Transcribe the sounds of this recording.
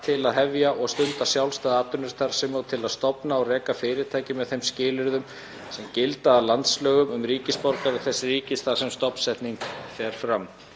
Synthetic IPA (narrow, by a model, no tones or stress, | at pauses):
t̪ʰɪlaðɦɛvjaʔɔɣst̪ʏnt̪asjawlst̪aːðaːt̪ʏnːʏɾ̥t̪ʰaɾ̥sɛmoɣt̪ʰɪlaðst̪ɔpnaɔɣrɛːkafɪːɾɪt̪ʰaːjcɪmɛðθejmscɪːlɪɾðʏm | sɛmcɪlt̪aːlant̪slœːɣʏmʏmɾiːcɪspɔɾk̪avɪθɛsːɪriːcɪsθḁsɛmst̪ɔpn̥sɛht̪niŋfɛːɾ̥fɾam